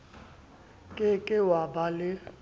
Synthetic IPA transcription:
kʼɪkʼɪwabalɪ

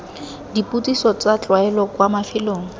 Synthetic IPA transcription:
dipʼut͡sʼisɔt͡sat͡ɬʼwaɛlɔkwamafɪloːŋ̩

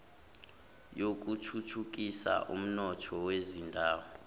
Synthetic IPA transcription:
jok̬ʼutʰutʰuk̬isa̰ʔum̩nɔtʰɔwezindʱaːwɔ

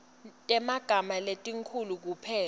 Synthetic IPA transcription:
tʼɛmaɡ̥ʱamaletʼiŋkʰuluk̬upʰɛː

